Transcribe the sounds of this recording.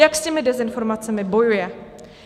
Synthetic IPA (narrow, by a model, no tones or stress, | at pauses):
jakscɛmɪdɛzɪnfo̞ɾmat͡sɛmɪbo̞jujɛ